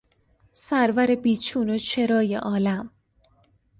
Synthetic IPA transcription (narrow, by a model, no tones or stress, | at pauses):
sæɾvæɾe̞biːt͡ʃʰuːnot͡ʃʰe̞ɾɒːjḛʔɒːlæm